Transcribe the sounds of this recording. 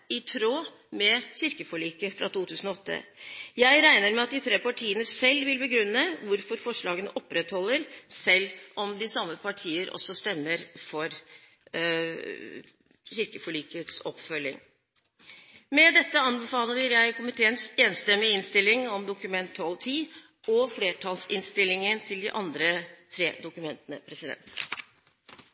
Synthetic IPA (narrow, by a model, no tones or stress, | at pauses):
ɪt̪ʰɾoː | mɛçɪɾkəfɔɭiːkəfɾʔɑt̪uːt̪ʰʉːsn̩ɔɔt̪ːə̰jæɪɾæɪnəɾmɛɑt̪̚d̪ɪt̪ʰɾeːpɑʈʰiːənəsɛlːʋɪlbəɡɾʉnːəʋʊɾfɔɾfɔʂɭɑːɡənəʔɔpːɾɛt̪hɔlːəɾsɛlːʔɔmd̪ɪsɑmːəpʰɑʈʰiːəɾɔ̰sːɔst̪ɛmːəɾfɔɾ | ɕɪɾkəfɔɭiːkəət̪sɔpfœlːɪ̰ŋ | mɛd̪ɛt̪ːəɑnbɛfɑːləəɾjæɪkʰʊmɪt̪ʰeːənseːnst̪ɛmːɪɪnst̪ɪlːɪŋɔmd̪ʊkʉmɛnt̪ʰːɔlt̪ʰiː | ɔfleːʈʰɑːlsɪnst̪ɪlːɪŋənt̪ʰɪld̪ɪʔɑnd̪ɾət̪ʰɾeːd̪ʊkʉmɛnt̪ənəpʰɾɛsɪd̪ɛ̰nt̪